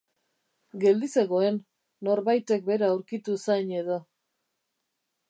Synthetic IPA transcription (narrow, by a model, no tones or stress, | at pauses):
ɡe̞ld̪ise̞ɣo̞e̞nː | o̞ɾβajt̪e̞k̚be̞ɾaːwɾkit̪usajɲe̞ðo̞